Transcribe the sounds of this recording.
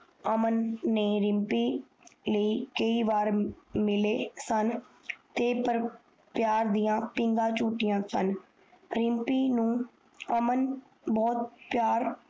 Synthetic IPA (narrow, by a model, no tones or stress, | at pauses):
əmənːeːɾɪmpiː | ləiːkəiːʋaːɾmɪleːsən | t̪eːpəɾ | pjaːɾd̪ijãːpɪ̃ŋɡãːt͡ʃuːʈɪjãːsən | ɾɪmpiːnũː | əmən | bɔːt̪̚pɪjaːɾ